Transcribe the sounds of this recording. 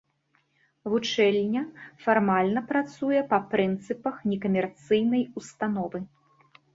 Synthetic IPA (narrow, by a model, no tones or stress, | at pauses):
vut͡ʂɛlʲnʲɐfarmalʲnɐpɾat̪sujɛpɐpɾɨnt̪sɨpɐxnʲɛkɐmʲɛrt̪sɨjnɐjust̪anɔvɨ